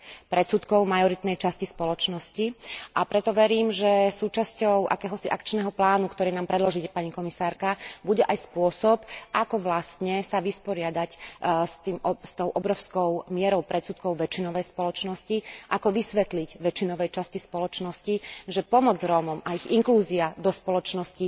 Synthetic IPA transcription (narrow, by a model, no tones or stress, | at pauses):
pɾɛsut̪kɔʊmajɔɾit̪nɛjt͡ʃascispɔlɔt͡ʃnɔsciʔapɾɛt̪ɔʋɛɾiːmʒɛsuːt͡ʃascɔʊʔa̰kɛːɦɔsiʔakt͡ʃnɛɦɔplaːnukt̪ɔɾiːnaːmpɾɛd̪lɔʒicɛpaɲikɔmisaːɾkabuɟɛʔajspʊɔsɔpʔakɔʋlast̪ɲɛsaʋispɔɾɪad̪acst̪iːmst̪ɔʊʔɔbɾɔʊskɔʊmɪɛɾɔʊpɾɛt̪sut̪kɔʊʋɛt͡ʃinɔʋɛjspɔlɔt͡ʃnɔsciʔakɔʋisʋɛt̪liɟʋɛt͡ʃinɔʋɛjt͡ʃascispɔlɔt͡ʃnɔsciʒɛpɔmɔd͡zɾɔːmɔmaiɣiŋkluːziad̪ɔspɔlɔt͡ʃnɔsci